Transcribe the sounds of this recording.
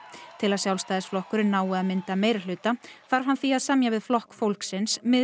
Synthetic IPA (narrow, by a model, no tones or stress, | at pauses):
t̪ʰɪlaðsjawlst̪aːðɪsflɔhkʏɾɪnaːwʏaðmɪnt̪ameːjɾɪlʏːt̪afaɾv̥hanθiaðsamjavɪðflɔhkfowlksɪnsmɪ